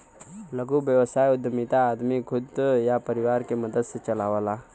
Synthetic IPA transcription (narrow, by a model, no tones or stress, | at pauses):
ləɡuːʋjəʋəsajud̪ʱəmit̪aːd̪miɡʰʱud̪japəɾiʋaɾkeməd̪əd̪sət͡ʃəlaʋla